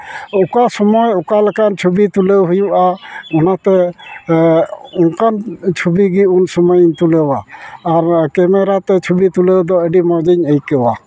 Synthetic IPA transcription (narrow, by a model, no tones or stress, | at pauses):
ukasɔmɔjukalɛkant͡ʃʰubit̪ulewɦujuʔaɔnat̪ɛ | ɔnkʰant͡ʃʰubiɡiunsɔmɔjnt̪ulewaːɾkɛmɛɾat̪ɛt͡ʃʰubit̪ulewd̪ɔəɖimɔjd̪iɲejkɛwa